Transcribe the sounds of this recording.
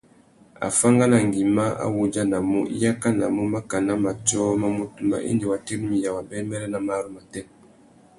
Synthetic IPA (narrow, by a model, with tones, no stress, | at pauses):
a̰˨fa˦ŋɡa˦na˨ŋɡi˨ma˦a̰˦wu˨d͡ʒa˦na˨mṵ˦ḭ˦ja˦ka˦na˨mu˦ma˦ka˨na˦ma˨t͡ʃɔ˦ma˦mu˦tu˦mba̰˦ʔḭ˦ndi˨wa˨te˦ɾmi˨ja˨wa˨bɛ˦mɛ˦ɾɛ˦na˨ma˦ɾu˦ma˨tɛ˦m